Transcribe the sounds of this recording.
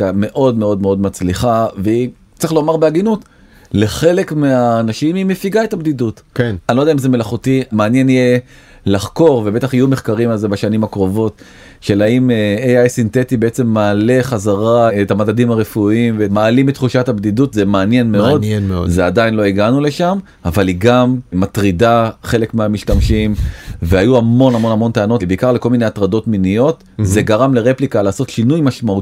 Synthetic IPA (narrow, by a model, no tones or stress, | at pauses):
ame̞ʔo̞dme̞o̞dmeo̞d̪mat͡sliχavei | t͡siχlo̞maʁbeaɡinut | le̞χe̞le̞kmeaːnaʃimimefiɡaetabd̪idutknanilo̞dɛaimzeme̞laχutimaːnje̞nije | laχko̞ʁve̞be̞taχijumeχkaʁimalze̞baʃanimakʁo̞vo̞t | ʃe̞laimejajsint̪e̞tibeet͡se̞mːaːle̞χazaʁaetamadadimaʁefuimvemaːlimet̪χuʃathabd̪idutzemeanje̞nmeo̞d̪zeadainlo̞iɡanule̞ʃam | avaliɡammat̪ʁidaχe̞lekmeamiʃtamʃimvehajuamo̞nhamo̞namo̞nt̪eano̞tbeikaʁleko̞lmineat̪ʁado̞tminijo̞t̪ | ze̞ɡaʁamle̞ʁe̞plikalaːso̞tʃinujmaʃmau